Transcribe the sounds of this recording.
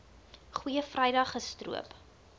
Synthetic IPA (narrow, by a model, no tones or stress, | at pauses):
χwiəfrɛjdɐχəstrṵəp